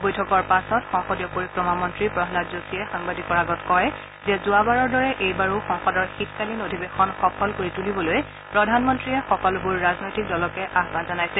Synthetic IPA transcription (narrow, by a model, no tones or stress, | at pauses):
bojtʰɔkɔɹpasɔtxɔ̃ŋxɔdijɔpoɹikɹɔmamɔntɹipɹɔɦlatzosiɛxaŋbadikɔɹaɡɔtkɔj | zɛzʊabaɹɔɹdɔɹɛʔejbaɹuxɔ̃ŋxɔdɔɹxitkalinodʱibexɔnxɔpʰɔlkoɹitulibɔloj | pɹɔdʱanmɔntɹiɛxɔkɔlbuɹːaznojtik̚dɔlɔkɛʔaxbanzanajsɛ